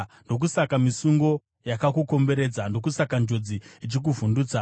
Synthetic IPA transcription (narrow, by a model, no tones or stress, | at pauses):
ndo̞k̬usakamisuŋɡo̞ | jakakuko̞mbe̞ɾe̞ːd͡zando̞k̬usakand͡ʒo̞d͡ziit͡ʃik̬uvunduːt͡sa